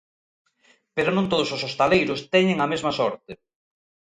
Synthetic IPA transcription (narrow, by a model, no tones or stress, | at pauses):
peɾonõnt̪oð̞ʊsosost̪alejɾʊst̪ɛɲɪŋɐmezmɐsɔɾt̪e